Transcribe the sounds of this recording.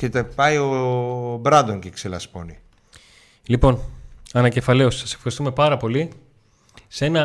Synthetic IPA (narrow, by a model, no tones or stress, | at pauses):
cet̪epɐjobɾɐnd̪oŋcekselɐ̰spo̞̰ni | lipo̞nɐnɐce̞fɐle̞ossɐse̞fxɐɾist̪ume̞pɐɾɐpo̞li | se̞nɐ